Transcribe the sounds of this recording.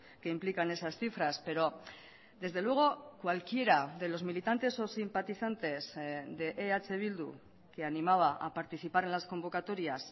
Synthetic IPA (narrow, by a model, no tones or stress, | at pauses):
ke̞implikane̞sasθifɾaspe̞ɾo̞ | d̪e̞zðe̞lwe̞ɣ̞o̞kwalkje̞ɾaðe̞lo̞zmilit̪ant̪e̞so̞simpat̪iθant̪e̞zðe̞ʔeat͡ʃe̞β̞ild̪ṵ | ke̞animaβ̞aʔa̰paɾt̪iθipaɾe̞nlasko̞mbo̞kat̪o̞ɾjas